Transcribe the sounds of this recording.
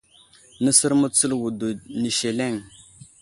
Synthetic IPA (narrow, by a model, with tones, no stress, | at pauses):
nə˦sə˦ɾmə˦t͡sə˦lwu˨du˨ni˨ʃe˨le˦˨ŋ